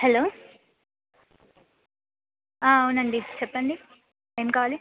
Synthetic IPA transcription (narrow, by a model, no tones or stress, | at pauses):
hɛloː | aːunɐɳɖit͡ʃɛpːɐɳɖi | eːmkaːʋaːli